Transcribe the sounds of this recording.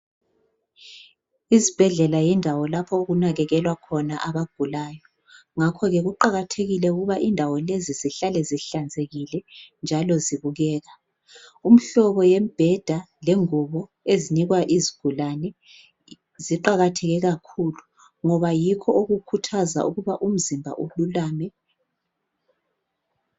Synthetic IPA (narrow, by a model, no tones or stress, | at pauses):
izib̥ʱɛɮɛlajɛndʱawɔlapʰɔoɣunaɣɛɣɛlwakʰɔnaʔaβaɡ̥ʱulaːjɔ | ŋakʰɔɣɛɣuǃaɣatʰeɣilɛuɣuβaʔindʱawɔleziziɬalɛziɬand͡zʱeɣilɛnd͡ʒʱalɔziβuɣɛːɣa | um̩ɬɔβɔjem̩b̥ʱɛd̥ʱa | lɛŋuβɔ | eziniɣwaʔiziɡ̥ʱulanɛ | ziǃaɣatʰɛɣɛɣakʰulu | ŋɔβajikʰɔoɣukʰutʰaza̰ʔuɣuβaʔum̩zimbʱa̰ʔululaːmɛ